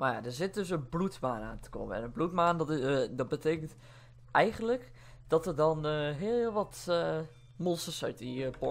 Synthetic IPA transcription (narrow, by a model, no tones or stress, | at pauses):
maja̰dəzɪt̚døs̬ənblutmaːna̰ːntə̥ko̰məɛ̰nənblutmaːndɔt̚bətʰeːkənt | ɛjɣənlək | d̥ɔtərdɔnɦɪəlˠɪlˠʋɔt | mɔlˠsərsœɥtipɔ